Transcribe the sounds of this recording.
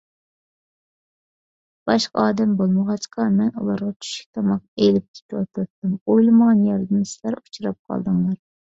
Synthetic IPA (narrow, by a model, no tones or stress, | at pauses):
b̥ɑʃqɑɑːd̪ɛmbolˠməʁɑt͡ʃqʰɑmɛnṵlˠɑɾʁɑt͡ʃʰy̥ʃi̥kʲt̪ʰɑmɑqelɪp̚t̪ʲʰy̥t͡ʃʰʲwɑt̪ʰɑt̪ːɨmojlˠɨmɑʁɑnjɑɾd̪ɪmsɪlæɾu̥t͡ʃʰɾɑp̚qʰɑ̰lˠd̪ɨŋlˠɑɾ